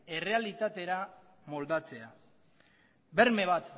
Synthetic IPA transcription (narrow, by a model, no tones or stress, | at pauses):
e̞re̞alit̪at̪e̞ɾa | mo̞ld̪at͡se̞a | be̞ɾme̞β̞at̪